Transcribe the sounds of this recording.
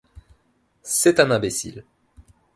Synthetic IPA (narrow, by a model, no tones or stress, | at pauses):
sɛt̪ɛ̃nɛ̃besḭl